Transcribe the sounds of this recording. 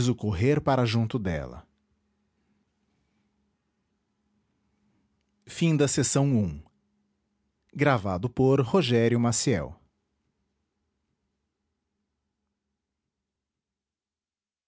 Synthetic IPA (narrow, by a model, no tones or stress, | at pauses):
zʊkoɦeɾpaɾɐʒũnt̪ʊd̪ɛ̰lɐ̰ | fĩd̪ɐsesɐ̃w̃ũ | ɡɾavad̪ʊpoɾhoʒɛɾjʊmasiɛ̰w